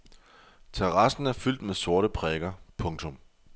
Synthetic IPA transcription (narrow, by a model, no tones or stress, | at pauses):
t͡sʰeʁɑ̈sn̩æɐfyl̰d̥meðso̝ɐɾəpʰʁɛːɡ̥ɐpʰɔ̽ŋt͡sʰɔ̽m